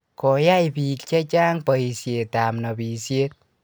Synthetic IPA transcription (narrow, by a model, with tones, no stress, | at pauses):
kɔ˨ja˦jpi˨kt͡ʃɛ˦t͡ʃa˦ŋpa˨i˨sje˨ta˨mna˨bi˨sje˦t̚